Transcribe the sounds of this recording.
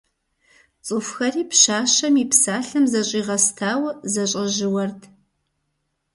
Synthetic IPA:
t͡sʼɨfxɐriːpʃaːʃɐmiːpsaːɬɐmzɐɕʼiːʁɐstʰaːwzɐɕʼɐʒɪwɐrtʰ

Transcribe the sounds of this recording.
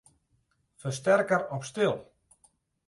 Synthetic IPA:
fəstɛrkəɾɔpstɪlˠ

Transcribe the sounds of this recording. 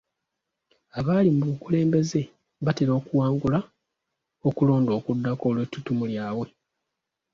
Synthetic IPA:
aβaːlimuukule̞ːmbe̞ze̞ | βateɾo̞ːkuwaːŋɡula | okulo̞ːndo̞ːkudːako̞ːlweːtːutumuljaːβwe̞

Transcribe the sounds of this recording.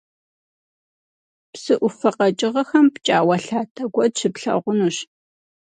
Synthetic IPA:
psɨʔʷʊfɐqɐt͡ʃʼɪʁɐxɐmpt͡ʃʼaːwɐɬaːtʰɐɡʷɔdɕɪpɬɐ̰ʁʷʊnuɕ

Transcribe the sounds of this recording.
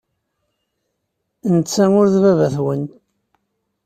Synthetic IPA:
nət͡sːæŋʊɾðvævæθwənt̪

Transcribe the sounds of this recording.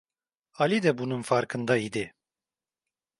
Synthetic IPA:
alid̪ɛbunɨmfaɾkʰɨnd̪aid̪ɛ

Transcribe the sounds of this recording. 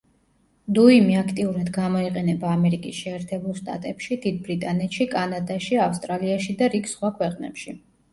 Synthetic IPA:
d̪uimiakʰt̪ʼiuɾad̪ɡamɔiqʼɛnɛbaːmɛɾikʼisʃɛːɾt̪ʰɛbulˠʃt̪ʼa̰t̪ʼɛpʃid̪id̪̚bɾit̪ʼanɛt̪ʃikʼanad̪aʃiafst̪ʼɾaliaʃid̪aɾiɡsχwakʰwɛqʼnɛ̰pʃi

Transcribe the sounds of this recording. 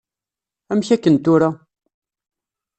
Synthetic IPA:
æmçækːənt̪ʊɾa

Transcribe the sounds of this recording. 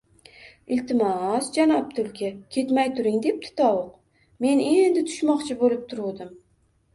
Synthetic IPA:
ɪlt̪ɪmɒsd͡ʒanɒp̚t̪ʰʊlkʲʰakʲʰe̞t̪majt̪ʰʊɾɪŋd̪e̞p̚t̪ʰɪ̥t̪ʰɒwʊq | me̞ne̞nd̪ɪt̪ʰʊ̥ʃmɒqt͡ʃʰɪbolɪp̚t̪ʰʊɾud̪ɪm

